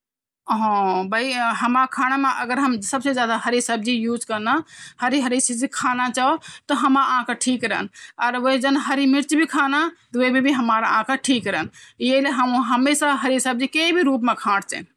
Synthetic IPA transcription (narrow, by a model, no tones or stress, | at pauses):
ɦɔ̃bʱəiɦəmɾakʰaɽ̃ameʔəɡəɾɦəmsəbsed͡ʒjad̪aɦəɾisəb̚d͡ʒijuːd͡ʒkənahəɾiɦəɾisid͡ʒikʰanat͡ʃaot̪ɔɦəmɾaãkaʈʰikɾəənɔɾoid͡ʒənɦəɾimiɾt͡ʃbʱikʰanat̪ɔoibʱibʱiɦəmaɾãkaʈʰikɾəənjeileɦəmũɦəmesaɦəɾisəb̚d͡ʒikeibʱiɾuːp̬mekʰãɽt͡ʃɛ̰